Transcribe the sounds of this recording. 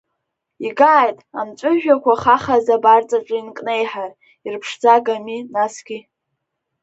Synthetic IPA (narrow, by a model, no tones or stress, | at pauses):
iɡaːjtʼamt͡ʃʷʼʊʒᶣakʷaχaχazabart͡sʼaʈ͡ʂʷʼainkʼne̞jħar | irpʰʂd͡zaɡaminasɡ̥ʲi